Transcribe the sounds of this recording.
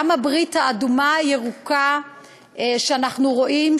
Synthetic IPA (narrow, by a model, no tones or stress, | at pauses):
amabʁithaːdumajeʁuka | ʃeanaχnuʁo̞ʔim